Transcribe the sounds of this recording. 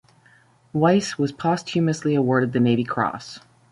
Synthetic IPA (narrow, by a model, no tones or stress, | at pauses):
waɪswʌz̥pʰɑstʰjʉmɨsliəwɔɹɾɨd̪̚ðɨneɪvikʰɹ̥ɔ̰s